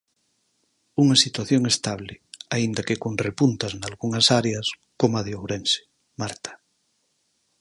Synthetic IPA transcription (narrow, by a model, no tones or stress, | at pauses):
uŋasit̪waθjoŋest̪aβ̞leaind̪akekonrepunt̪aznalɣuŋasaɾeas | komaðjowɾense̥ | maɾt̪ʰḁ